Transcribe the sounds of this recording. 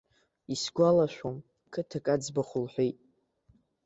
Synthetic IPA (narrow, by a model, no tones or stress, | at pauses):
isɡʷalaʃʷᶣom | kʰɨtʰakʼad͡zbaχʷʊlħʷᶣejtʼ